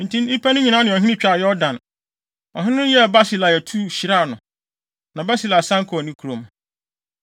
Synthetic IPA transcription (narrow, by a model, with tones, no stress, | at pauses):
n̩˨tʰĩ˦nɪ˦pʰa˦nʊ̃˦ɲĩ˨nã˦nɪ̃˨ɔ˨ɦĩ˦nɪ̃˦t͡ɕᶣa˨jɔ˦dã˨n | ɔ˨ɦɪ̃˦nʊ̃˦n˦jɛ˦˨ba˦si˦la˨ɛ˨tʰu˦ɕi˨ɾa˦˨nʊ̃˨ | nã˨ba˦si˦la˨sã˦ŋ˦kʰɔ˨nĩ˦kʰu˨ɾõ˨m